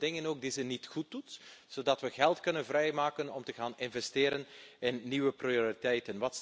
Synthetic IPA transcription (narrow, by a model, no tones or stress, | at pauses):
dɪŋənoːɡ̚dizənitxut̚utz̥oːdɑtʋəɣɛlˠtkɵnənvrɛjmaːkənɔmtəɣaːnɪnvɛstɪːɾənɪnːiʋəprioɾitɛjtənʋɑt